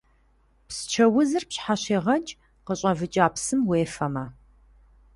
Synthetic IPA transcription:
pst͡ʃʰɐwʊzɨrpɕħaɕeːʁɐt͡ʃʼ | qəɕʼɐvɨt͡ʃʼaːpsɨmweːfɐmɐ

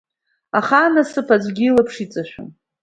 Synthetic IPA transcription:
aχanasɨpʰad͡zʷɡʲilɨpʰʂit͡sʼaʃᶣʊ̰n

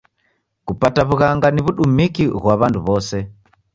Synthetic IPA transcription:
kupataβuɣaŋɡaniβuɗumikiɣwaβanduβɔsɛ

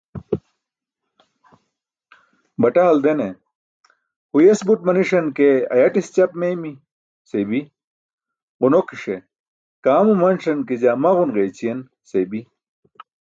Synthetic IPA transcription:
bɐʈaːld̪ene | hujesbuʈ̚mɐniʂɐnkeɐ̰jɐʈist͡ɕɐpmejmi | sebi | ʁunokiʂe | kaːmumɐnʂɐnkid͡ʑamɐʁunʁeːt͡ɕijen | sebi

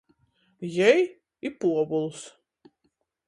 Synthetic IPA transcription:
jɛj | ipuɔbulˠs

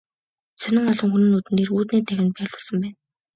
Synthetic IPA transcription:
t͡sʰœnɪ̆ŋɔɮɞ̆ŋxunɘ̆nuːt̪ɘnːeːruːt̪niːt̪ʰæxʲɪ̆nt̪̚pæːɮʊːɮsə̆mpæːn

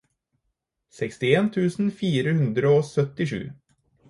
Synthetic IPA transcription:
sɛkst̪ɪeːnt̪ʰʉːsn̩fiːɾəhʉnd̪ɾəoːsœt̪ːɪʂʉ̰ː

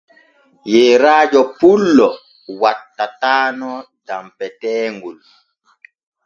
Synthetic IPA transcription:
jeɾaːd͡ʒɔpulːɔ | watːataːnɔ | d̥ampɛtɛːŋɡul

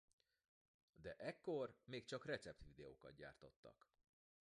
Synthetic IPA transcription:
d̪ɛʔɛkːo̞rmeːkt͡ʃɒkrɛt̪sɛp̚t̪ʋid̪ɛo̰ːkɒt̪̚ɟa̰ːrt̪o̞t̪ːɒ̰k

